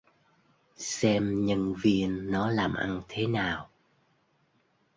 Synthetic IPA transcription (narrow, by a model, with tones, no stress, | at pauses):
sɛ˧mɲə˧nvi˧ənːɔ˨˦laː˨˩mʔa̰˧nt̪ʰe˨˦naː˨˩w